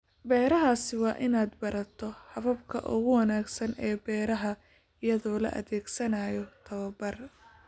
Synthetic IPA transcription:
bɛːɾɐɦaːsɪwɑːʔɪnaːd̪bɐɾɐt̪ʰɔhɐβɐbkʰɐ̰ʔʊ̰ɣʊwɐnaːɡsɐnɛːbɛːɾɐɦɐ | ɪjɐðɔːlɐ̰ʔɐ̰ðɛːɡsɐnaːjɔt̪ʰɐβɐbɐr

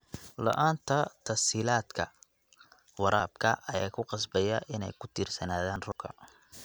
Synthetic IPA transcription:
lɐ̰ʔaːnt̪ʰɐt̪ʰɐsiːlaːd̪kʰɐ | wɑɾaːb̚kʰɐʔɐja̰ːkʰʊqɑsbɛjɐʔɪnɛ̰jkʰʊt̪ʰiːrsɐnaːðaːnrʊkʰɐ̰

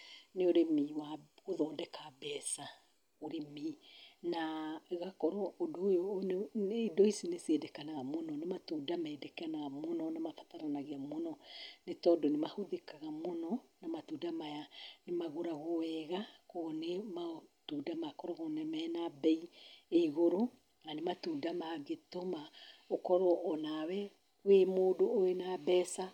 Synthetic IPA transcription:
neoɾemiːwaɣoðɔːndɛkabɛsa | oɾeminaɣakɔɾɔodoːjonidɔisinesedɛkanaɣamonɔnematuːdamɛːdɛkɛanaɣamonɔnamafataɾanaɣeamonɔnetɔdonemahoðekaɣamonɔnamatudamajanemaɣoɾaɣoɛɣakonematudamakɔɾɔɣonɛmɛnabɛieiɣoɾo | nanematuːdamaɣetomaokɔɾɔʔːnawɛ | wemoːdoːenabɛsa

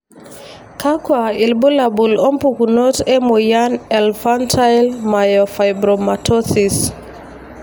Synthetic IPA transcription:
kakwailbulabulɔmpukunotɛmojanɛlfantʰajlmajɔfajbɾɔmatʰɔsis

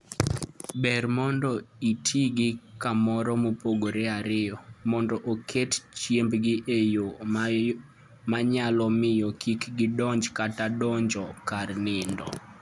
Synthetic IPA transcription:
bɛrmɔndɔitʰiɡɪkamɔɾɔmopoɡoɾeaɾɪjɔmɔndɔʔokʰett͡ʃjembɡɪʔejo | maɲalɔmɪjɔkʰikɡɪdɔɲd͡ʒkatadɔɲd͡ʒɔkarnɪndɔ̰

